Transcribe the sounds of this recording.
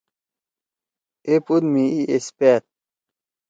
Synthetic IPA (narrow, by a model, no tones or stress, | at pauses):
epud̪miiʔespeːt̪̚